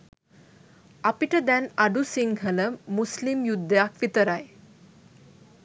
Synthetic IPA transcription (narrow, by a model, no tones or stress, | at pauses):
ɐpiʈəd̪ɛnɐɖusiŋhələmuslimjud̪ːəjakʋit̪əɾaj